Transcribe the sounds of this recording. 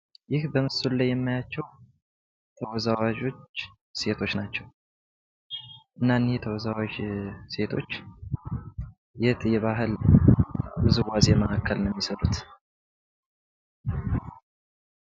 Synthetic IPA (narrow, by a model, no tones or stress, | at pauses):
jɪhbəmɨsullajːɛmːajat͡ʃːɛw | t̪ʰəwɔzawad͡ʒo̞t͡ʃː | se̞t̪ʰo̞t͡ʃːnat͡ʃːɛw | ʔɨnːanːjɛt̪ʰəwɔzawad͡ʒse̞t̪ʰo̞t͡ʃː | jɛt̪ʼɨjɛβaɦɨl | bzɨwazjɛməʔakːəlnɛmːisəɾʼut̪